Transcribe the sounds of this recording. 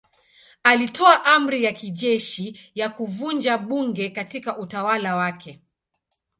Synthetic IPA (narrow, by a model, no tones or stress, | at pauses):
alitʰɔaʔam̩ɾijakiʄɛʃijakuvund͡ʒaɓuŋɡɛkatikaʔutawalawakʰɛ